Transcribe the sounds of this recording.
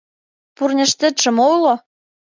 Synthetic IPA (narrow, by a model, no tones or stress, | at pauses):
purnʲɘ̆ʃt̪ɘ̆t̪ʃə̆molo